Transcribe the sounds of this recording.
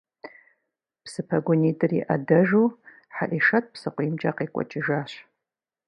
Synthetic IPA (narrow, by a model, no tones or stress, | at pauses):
psɨpʰɐɡʷʊnitʼɨriʔadɐʒu | ħaʔiʂɐt̚ʰʼpsɨqʷimt͡ʃʼa̰qekʷʼɔ̰t͡ʃʼɪʒaːɕ